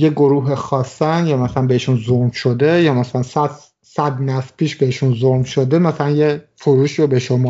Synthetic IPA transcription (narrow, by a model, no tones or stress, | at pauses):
jeɡoɾuːɦexɒːsːænjɒːmæsælænbeeʃunzomʃod̪ejɒːmæsælænsæ | sæd̪næspʰiːʃbeheʃunzolmʃod̪emæsælænjefoɾuːʃiːɾobeʃomɑː